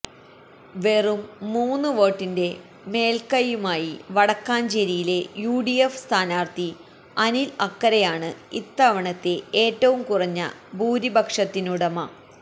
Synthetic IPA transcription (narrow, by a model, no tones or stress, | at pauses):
ʋe̞rumːuːnːɨʋo̞ːʈːinde̞ | me̞ːlkɐjːumaːjiʋɐɽɐkːaːnt͡ɕe̞ɾijile̞juːɽijefst̪ʰaːnaːrt̪i | ɐnilɐkːɐɾɐjaːɳɨit̪ːɐʋɐɳɐt̪ːe̞eːʈːɐʋumkurɐɲːɐ̰ | buːɾibɐkʂɐt̪ːinuɽɐmɐ